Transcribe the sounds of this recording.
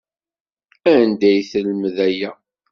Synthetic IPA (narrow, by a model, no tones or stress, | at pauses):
ænd̪æjθəlməðæjæ